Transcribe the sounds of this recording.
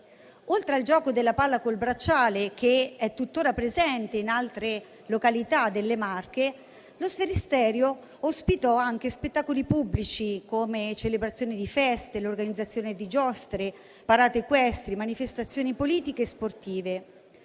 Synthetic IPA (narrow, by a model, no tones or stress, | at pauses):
olt̪ɾeald͡ʒɔːkod̪elːapalːakolbɾat͡ʃːaːlek̟eɛt̪ːut̪ːoːɾapɾezɛnt̪einalt̪ɾe | lokalit̪ad̪elːemarke | losfeɾist̪ɛːɾjo | ospit̪ɔaŋk̟espet̪ːaːkolipubːlit͡ʃikomet͡ʃelebɾat̪sːjoːnid̪ifɛst̪elorɡanid̪zːat̪sːjoːned̪id͡ʒɔst̪ɾe | paɾaːt̪ekwɛst̪ɾimanifest̪at̪sːjoːnipoliːt̪ikeːsport̪iːve